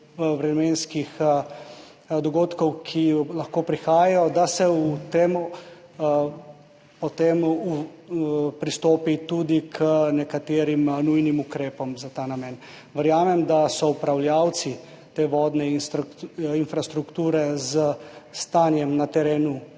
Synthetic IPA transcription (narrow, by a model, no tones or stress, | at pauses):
ʋɾɛmeːnskix | d̪ɔɡoːt̪kɔwkʰilaxkoːpɾixaːjajɔd̪asɛut̪em | pɔt̪emu | pɾist̪oːpit̪ud̪ikʰənɛkat̪eːɾimnujnimukɾeːpɔmzat̪aːnamɛn | ʋəɾjaːmɛmd̪asɔupɾawljaːw̪si | t̪eːʋɔːd̪nɛinst̪ɾinfɾast̪ɾukt̪uːɾɛzəst̪aːnjɛmnat̪ɛɾeːnu